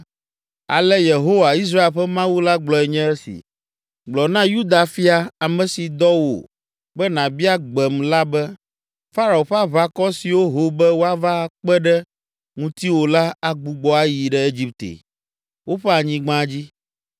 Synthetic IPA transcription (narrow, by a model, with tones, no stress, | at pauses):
a̰˨lɛ˦je˨ɦo˦wa˨i˦s̬ɾa˦e˨lɸɛ˦mã˦wu˦la˦ɡ͡blɔ˨ɛ˨ɲɛ̃˦ɛ˦sḭ˨ | ɡ͡blɔ˨nã˦ju˦d̪a˨fi˦a˨a˨mɛ̃˨si˨d̪ɔ˦wo̰˨ | bɛ˦nã˨bi˦a˦ɡ͡bɛ˨mla˦bɛ˦ | fa˦ɾa˨wo˨ɸɛ˦a˦βa˦kɔ˦si˨wo˦ɦo˨bɛ˦wo˦a˦va˦k͡pɛ˦ɖɛ˦ | ŋũ˦t̪i˦wo˨la˦a˨ɡ͡bu˨ɡ͡bɔ˦a˦ji˨ɖɛ˦e˦d͡ʑi˦p̚t̪ḛ˨ | wo˦ɸɛ˦a˨ɲĩ˦ɡ͡bã˦d͡ʑi˦